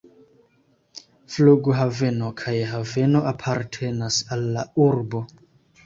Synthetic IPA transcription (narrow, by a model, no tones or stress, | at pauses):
fluɡuɦave̞no̞kʰajɦave̞no̞ʔapʰaɾtʰe̞nasalːauɾbo